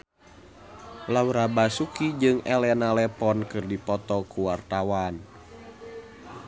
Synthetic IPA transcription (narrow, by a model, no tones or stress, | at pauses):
lawɾabasukid͡ʒɨŋɛlɛnalɛpɔnkɨrdipɔt̪ɔkuwart̪awan